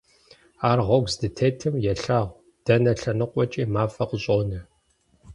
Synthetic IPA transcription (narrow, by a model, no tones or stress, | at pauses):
aːrʁɔɡʷzdɨtʰeːtʰɨmjɛɬaːʁʷ | d̥ɐnɐɬɐnɨqʷʼɔt͡ʃʼiːmaːfɐqɕʼoːnɨ